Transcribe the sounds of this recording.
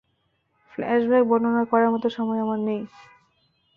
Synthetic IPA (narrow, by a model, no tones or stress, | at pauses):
flɛ̰ʃbɛk̚bɔnonaɾkɔɾaɾmɔt̪oʃɔmɔeamannej